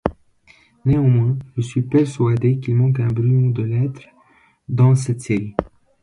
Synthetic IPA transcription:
neɑ̃mwɛ̃ʒəsɥipɛʁsɥad̪ekilmɑ̃kɛ̃bʁyɔ̃d̪əlɛt̪χ | d̪ɑ̃s̬ɛt̪seʁi

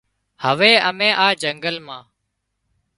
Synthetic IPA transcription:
həʋeːəmẽːʔaːd͡ʒəŋɡəlmãː

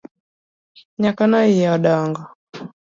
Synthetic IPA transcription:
ɲakanɔijaɗaŋɡɔ

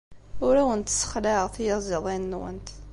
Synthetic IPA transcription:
ʊɾæwənt̪sə̥χlæʁθijɑzəðˤinːwə̰nt̪

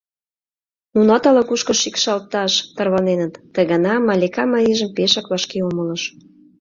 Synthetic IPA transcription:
nunɑt̪ɑlɑkuʃkɤ̆ʃikʃɑlt̪ːɑʃt̪ɑrβɑnenət̪ːəɣɑnɑmɑlʲekɑmɑjiʒə̆mpeʃɑkβɑʃkeomə̆lə̆ʃ

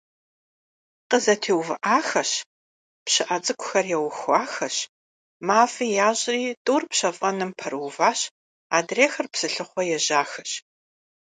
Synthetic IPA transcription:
qəzɐtʰeːwvɨʔaːxɐɕ | pɕɪʔɐt͡sʼɨkʷʰʼʊxɐrjɛwxʷaːxɐɕ | maːfiːjaːʑʼriːtʼuːrpɕɐfʼɐnɨmpʰɐrwvaːɕ | aːdreːxɐrpsɨɬɨχʷɔjɛʑaːxɐɕ

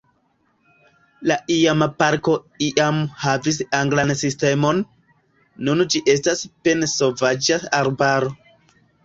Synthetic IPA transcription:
laʔiamapaɾko̞ | iʔamhavisaŋɡlansiste̞mo̞nː | und͡ʒiʔe̞staspe̞nsovad͡ʒaaɾbaɾo̞

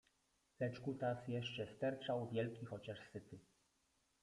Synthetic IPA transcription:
lɛt͡ʂkut̪asjɛʂt͡ʂɛst̪ɛɾt͡ʂawvʲjɛlkʲixɔt͡ɕaʂsɘt̪ɘ

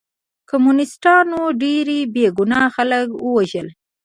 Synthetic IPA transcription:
komunɪsʈɑnoɖeɾebeɡunɑxaləkwəwaʒəl

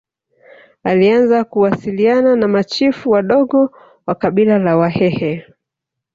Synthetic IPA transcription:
alianzakuwasiliananamat͡ʃifuwaɗɔɠɔ | wakaɓilalawahɛhɛ

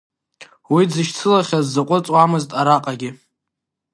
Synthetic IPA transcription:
wid͡zɨʃt͡sʰɨlaχʲazːaqʷʼʊt͡sʼwamɨztʼaɾaqʼaɡʲɪ

